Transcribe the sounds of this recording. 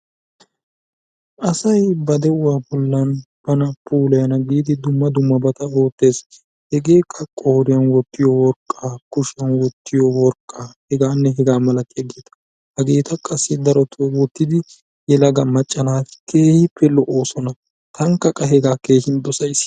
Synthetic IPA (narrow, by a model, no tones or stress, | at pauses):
ʔɐsɐjbɐd̪ɛʊwaːbɔlːɐnb̥ɐnɐpuːlɐjɐnɐɡiːd̪ɪd̪ʊmːɐd̪ʊmːɐbɐt̪ɐoːt̪ːe̞ːs | hɛɡe̞ːkʼːɐkʼːoːɾɪjɐnwɔt̪ːɪjɔwɔɾkʼːaːkʊʃɪjɐnwɔt̪ʰːɪjɔwɔɾkʼːaːhɛɡaːnːɛɦɛɡaːmɐlɐkʼːɛɡet̪ɐ̥ | hɐɡe̞ːt̪ɐkʼɐsːɪd̪ɐɾɔt̪ʰʊwɔwɔt̪ːɪd̪ɪ | jɛlɐɡɐmɐt͡ʃʼːɐlaːfkʰe̞ːhɪpːɛlɔʔoːsɔnɐ | t̪ʰɐŋkːɐkʼːɐɦɛɡaːke̞ːhɪnd̪ɔsɐjs